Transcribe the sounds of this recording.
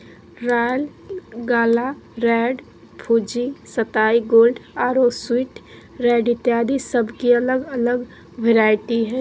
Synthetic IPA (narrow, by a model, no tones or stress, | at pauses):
ɾaːjəlɡaːlaɾɛːɖ | pʰuːd͡ʒisət̪aːiɡoːlɖaːɾoːswɪʈ | ɾɛːɖɪt̪jaːd̪isəbʱkiɐləɡɐləɡ | ʋeɾaːɪʈiɦɛː